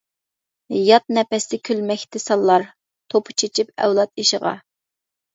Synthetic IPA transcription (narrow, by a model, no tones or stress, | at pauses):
jɑt̪̚nɛpɛsd̪ɪkʲʰylmɛkʲt̪ʰɪsɑlˠːɑɾ | t̪ʰopʰʊ̥t͡ʃʰet͡ʃʰipɛ̰wlˠɑt̪̚iʃɪʁɑ̰